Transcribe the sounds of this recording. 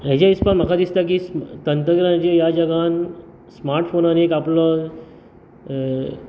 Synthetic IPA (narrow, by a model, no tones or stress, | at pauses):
ɦed͡ʑaispaɾm̤əkʰad̪ist̪ak̬iːst̪ənt̪ɾəɡɾãd͡ʑejad͡ʑəɡan | smaɾʈfonaniekaplə